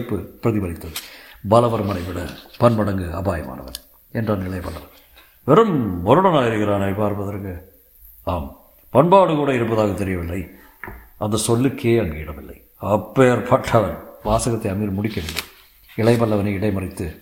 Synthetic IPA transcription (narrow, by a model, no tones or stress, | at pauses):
pːɯpɾɐðɪʋɐɾɪt̪ːɐðɯbɐlɐʋɐɾmɐnɐɪʋɪɽɐ̰pɐnʋɐɽɐŋɡɯɐ̰baːjɐma̰ːnɐ̰ʋɐ̰n | ɛndraːnɪɭɐɪpɐɭːɐʋɐn | pɛɾɯmɔɾɯɽɐnaːjɪɾɯɣɪɾaːnɐpaːɾpɐðɐɾkɯ | aːm | pɐɳbaːɽɯkuːɽɐɪɾɯpːɐðaːɣɐt̪ːɛɾɪjɐʋɪlːɐɪ | ʔɐnd̪ɐsɔlːɯkʰeːɐŋɡeːɪɽɐmɪlːɐ̰ɪ | ɐpːeːɾpʰɐʈʰːɐʋɐnʋaːsɐɣɐt̪ːɐɪɐmiːɾmʊɽɪkːɐʋɪlːɐɪ | ɪɭɐɪpɐɭːɐʋɐnɐɪɽɐɪmɐrɪt̪ːɯ